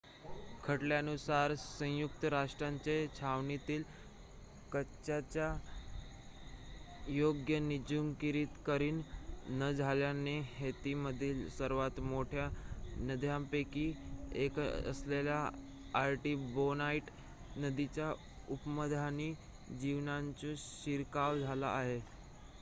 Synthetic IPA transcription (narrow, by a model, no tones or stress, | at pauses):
kʰəʈljanusaɾsə̃juk̚t̪əɾaʂʈɾaɲt͡ɕet͡ɕʰaʋɳit̪iːl | kəɕat͡ɕja | joɡjənid͡ʑumkiɾiːt̪kəɾiːnːəd͡zʱaljanehet̪iməd̪ʱiːlsəɾʋat̪moʈʰjanəd̪ʱjampekiːekə̰sleljaː | ɾʈiːbonaiʈ | nəd̪it͡ɕja | upməd̪ʱani | d͡ʑiʋnaɲt͡ɕũɕiɾkaʋd͡zʱala̰ʔːɦe